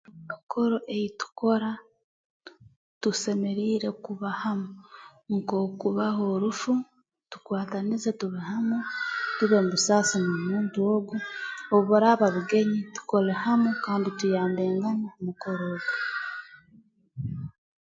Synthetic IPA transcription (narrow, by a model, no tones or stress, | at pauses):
βakʰo̞ɾo̞ʔejitu̥ko̞ɾa | tuse̞me̞ɾiːɾe̞kuβahamuŋko̞ːkuβaɦo̞ɾufu | tu̥kwaːtanize̞tuβehamutuβe̞muβusaːsinomuːntuo̞ɡuoβoɾaβaβuɡe̞ɲitu̥ko̞lehamukaːnditujaːnde̞ːŋɡanamuko̞ɾoːɡu